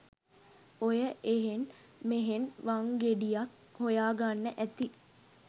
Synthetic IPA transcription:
ojəʔeɦen | meɦenʋaŋɡeɖijak̚ | hojaːɡanːəʔæt̪i

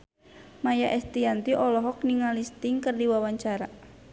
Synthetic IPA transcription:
majaʔɛst̪iant̪iʔɔlɔɦɔk̚niŋalist̪iŋkərdiwawaɲt͡ʃaɾa

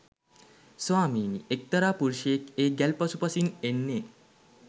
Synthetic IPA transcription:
sʋaːmiːniek̚t̪ɐɾaːpuɾʃeekeːɡælpəsupɐsinenːeː

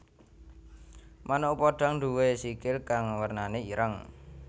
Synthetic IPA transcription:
manopoɖ̥a̤ŋɳɖ̪uwesikɪlkaŋwərnaneiɾʔəŋ

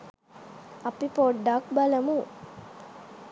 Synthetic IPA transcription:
ɐpipoɖːakbɐləmu

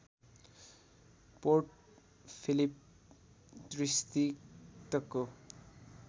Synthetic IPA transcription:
porʈ̚ | pʰilip | trist̪it̪ʌkːo

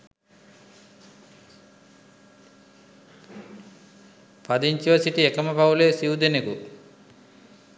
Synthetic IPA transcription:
pɐd̪iɲt͡ʃiʋɐsiʈiekɐmɐpɐwleːsiwud̪eneku

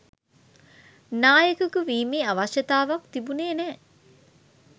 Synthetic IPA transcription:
naːjəkukuʋiːmiːaʋaʃjɐt̪aːʋakt̪ibuneːnɛː

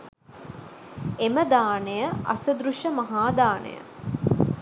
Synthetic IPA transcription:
eməd̪aːnejəʔa̰sɐd̪ɾuʃəmɐɦaːd̪aːnḛjə̰

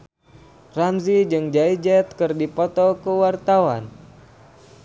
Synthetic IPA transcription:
ramzid͡ʒɨŋd͡ʒaid͡ʒɛt̪̚kɨrdipɔt̪ɔkəwart̪awan

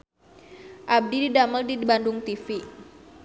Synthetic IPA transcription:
ʔab̚dididaməldibandʊŋt̪ifi

